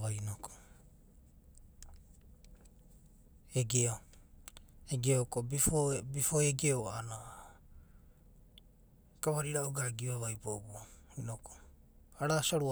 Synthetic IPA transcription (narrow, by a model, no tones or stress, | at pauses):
βajnoko̥ | eɡeo | eɡeokobifobifoeɡeoana | kaβaɾiɾaoɡaɡiβaβajbobuoinokʰo̥ | aɾasaɾu